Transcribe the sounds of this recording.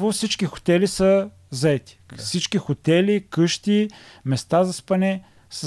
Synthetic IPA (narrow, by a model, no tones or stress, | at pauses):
vʊfsit͡ʃkixo̥t̪ɛlisə | zɐɛt̪i̥fsit͡ʃkixot̪ɛlikɤʃt̪imɛst̪azɐspɐnɛ | sə